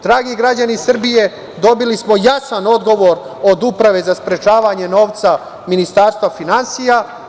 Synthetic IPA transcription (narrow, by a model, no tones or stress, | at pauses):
d̪̥ɾaːɡiɡɾad͡ʑanisr̩bije̞ | d̪o̞bilismo̞jasano̞d̪ɡo̞ʋo̞ɾo̞d̪upɾaʋe̞zaspɾe̞t͡ʃaːʋaːɲe̞no̞ːʋt̪sa | minist̪aːɾst̪ʋafinansija